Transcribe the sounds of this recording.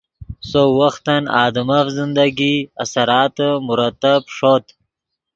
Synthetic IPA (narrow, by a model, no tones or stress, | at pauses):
sowɐxt̪ɐnɑ̰ːd̪ɐmafzind̪ɐɡiɐ̰sɐɾɑːt̪əmʊɾɐt̪ːabʂot̪